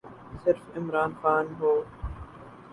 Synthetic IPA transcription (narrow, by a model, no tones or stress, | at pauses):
sɪɾfɪmɾaːnxaːnɦoː